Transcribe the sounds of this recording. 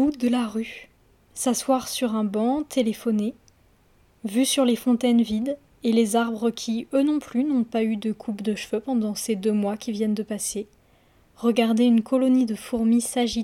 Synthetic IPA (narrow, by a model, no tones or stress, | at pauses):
ud̪əlaʁy | saswaʁsyʁɛ̃bɑ̃t̪ʰelefɔne | vysyʁlefɔ̃t̪ɛnvid̪ | elezaʁbʁəkʲʰiønɔ̃plynɔ̃payd̪əkʰupd̪əʃføpɑ̃d̪ɑ̃sed̪ømwakʲivjɛnd̪əpase | ʁəɡaʁd̪eynkʰɔlɔnid̪əfuʁmisaʒi